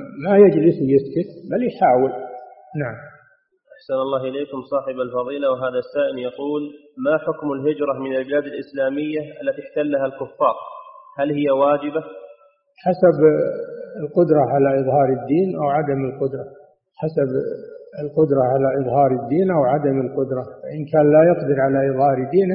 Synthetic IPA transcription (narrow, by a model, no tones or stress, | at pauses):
majad͡ʒlɪsjɪskɪt̪baljħaːwɪlnaʕam | ʔaħsanɑlːɑːɦʔɪleːkʊmsˤɑːħɪbalfɑðˤiːlawɦaːðasaːʔɪljɑquːl | maħʊkmalɦɪd͡ʒɾˤɑmɪnalbɪlaːd̪alʔɪslaːmɪjːaʔalːat̪iɪħt̪alːaɦalkʊfːɑːɾˤhalhɪjːawaːd͡ʒɪba | ħasab | ɪlqʊd̪ɾˤɑʕalaʔɨðˤhɑːɾˤɪd̪ːiːnʔawʕad̪amɪlqʊd̪ɾˤɑ | ħasabɪlqʊd̪ɾˤɑʕalaʔɨðˤhɑːɾˤɪd̪ːiːnʔawʕad̪amɪlqʊd̪ɾˤɑfaʔɪnkaːnlajɑqd̪ɪɾʕalaʔɨðˤhɑːɾˤd̪ːiːn